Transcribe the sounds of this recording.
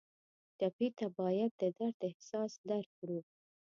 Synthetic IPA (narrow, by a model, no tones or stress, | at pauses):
t͡ʃapit̪abɑjad̪̚ːəd̪aɾt̪əhsɑsd̪aɾfɽu